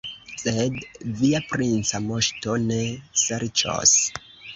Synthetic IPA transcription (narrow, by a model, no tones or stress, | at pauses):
sedviapɾint͡samoʃto̞ne̞seɾt͡ʃo̰s